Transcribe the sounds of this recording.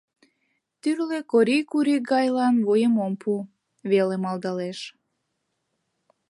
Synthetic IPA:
t̪yrlekoɾikuɾiɡɑjlɑnβojəmompʰu | βelemɑlˠd̪ɑleʃ

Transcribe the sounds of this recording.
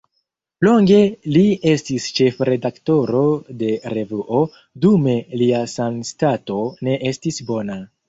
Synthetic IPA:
lo̞ŋɡe̞lie̞stist͡ʃe̞fɾe̞dakto̞ɾo̞de̞ɾe̞vuʔo | dume̞liasamstato̞ne̞ʔe̞stisbo̞na

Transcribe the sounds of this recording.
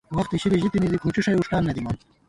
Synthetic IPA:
wɐxt̪iɕiɾiʑit̪inid̪ikʰuːʈ͡ʂiʂɐjuʂʈaːnːɐd̪imɐn

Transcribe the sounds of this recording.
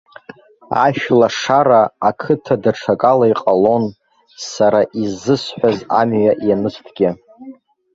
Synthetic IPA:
a̰ʃᶣlaʂaɾaːkʰɨtʰadaʈ͡ʂʰakʼalaiqʼalo̞n | saɾaʔizːɨsħʷᶣazamɥaʔjanɨstʰɡʲɪ

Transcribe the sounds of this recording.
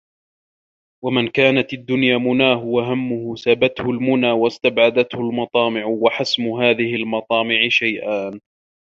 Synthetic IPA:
wamɪnkaːnat̪ad̪ːʊnjaːmʊnaːhʊwaɦamːʊhʊsabat̪hʊlmʊnaːwast̪abʕad̪at̪hʊlmɑt̪ˤɑːmɪʕwaħasmʊɦaːðɪhɪlmɑt̪ˤɑːmɪʕɪʃajʔaːn

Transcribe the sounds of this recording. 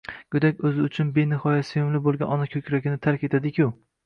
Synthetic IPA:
ɡ̥ʊd̪akʲɵzɪʊt͡ʃʰʊnbenɪhɒjasɪjʊmlɪbolˠɡʲanɒnakʲʰɵkʲɾaɡʲɪnɪt̪ʰaɾkʲe̞t̪ʰad̪ɪkʲʰʊ

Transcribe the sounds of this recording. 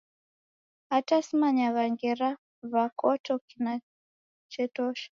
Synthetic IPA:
atasimaɲaɣaŋɡɛɾa | vakɔtʰɔkina | t͡ʃɛtɔʃḁ

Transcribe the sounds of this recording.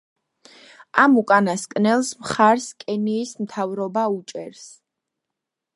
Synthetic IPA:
amukʼanaskʼnɛlˠsmχaɾskʼɛniːsmt̪ʰavɾɔbaut͡ʃʼɛɾs

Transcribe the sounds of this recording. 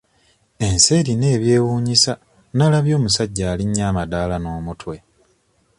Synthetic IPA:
e̞nse̞ːɾine̞ːβje̞ːwuːɲisa | nalaβjo̞ːmusaɟːaːliɲːaːmadaːlano̞ːmutwe̞

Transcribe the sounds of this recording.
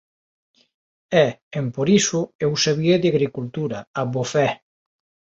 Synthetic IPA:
ɛempoɾisʊewsaβieðaɣɾikult̪uɾɐabofɛ

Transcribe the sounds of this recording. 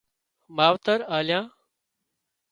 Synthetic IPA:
maːʋt̪əɾaːljãː

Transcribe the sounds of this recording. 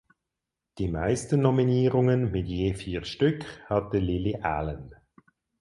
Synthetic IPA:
d̥iːmaɪstənːɔminiːʁʊŋənmɪtjeːfiːʁʃtʏkhɑtəlɪliʔa̰ːlən

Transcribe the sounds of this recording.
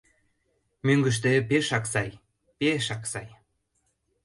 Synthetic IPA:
myŋɡə̆ʃ̬t̪ĕpeʃɑksɑj | peʃɑksɑj

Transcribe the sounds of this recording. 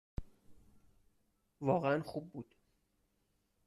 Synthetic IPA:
vɒːɣeænxub̚ːuːd̪̥

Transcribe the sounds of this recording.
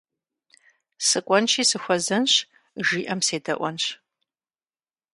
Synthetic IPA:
sɨkʷʼɔnt͡ʃʰiːsɨxʷɐzɐnɕ | ʒiːʔɐmseːdɐʔʷɔnɕ

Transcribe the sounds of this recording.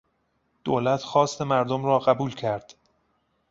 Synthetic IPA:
d̪̥oːlæt̪ʰxɒːst̪e̞mæɾd̪omrɒːɣæbuːlcʰæɾd̪̥

